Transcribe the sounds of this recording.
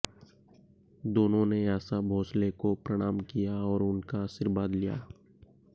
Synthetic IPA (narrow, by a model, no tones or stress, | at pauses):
d̪oːnõneaːsabʱoːslekopɾəɽ̃aːmkijaɔːɾʊnkaːʃɪɾʋaːd̪lija̰ː